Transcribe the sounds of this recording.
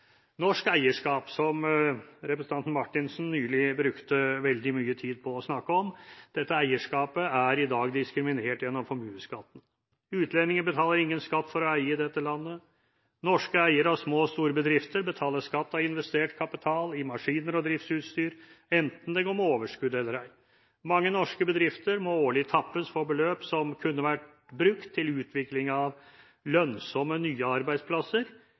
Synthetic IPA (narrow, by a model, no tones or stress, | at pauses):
nɔʂkæɪəʂkɑːpsɔmɾɛpɾəsn̩ʰɑnt̪n̩mɑʈːɪnsn̩nyːlɪbɾʉkt̪əʋɛld̪ɪmyːət̪ʰiːd̪̚pʰɔːsnɑkːəɔmd̪̥ɛt̪ːəæɪəʂkɑːpəæɾɪd̪ɑːɡd̪ɪskɾɪmɪneːʈjɛnːɔmfɔɾmʉːəskɑt̪ːn | ʉːt̪ʰlɛnɪŋənbət̪ʰɑːləɾɪŋːənskɑt̪ːfɔɾɔæɪəd̪ɛt̪ːəlɑnːə | nɔʂkəæɪəɾɑʋsmoːst̪uːɾəbəd̪ɾɪft̪əɾbət̪ʰɑːləʂkɑt̪ːɑɪnʋɛst̪eːʈkʰɑpɪt̪ʰɑːlɪmɑʂiːnəɾɔd̪ɾɪft̪sʉːt̪st̪yːɾɛnt̪n̩d̪ɛɡoːmɛoːʋəʂkʉd̪ɛlːəɾæɪ | mɑŋːənɔʂkəbəd̪ɾɪft̪əɾmɔoːɭɪt̪ʰɑpːəsfɔɾbəløːpsɔmkʰʉnːəʋæʈ | bɾʉkt̪ʰːɪlʉːt̪ʰʋɪklɪŋɑʋ | lœnsɔmːənyːəɑɾbæɪd̪spʰlɑsəɾ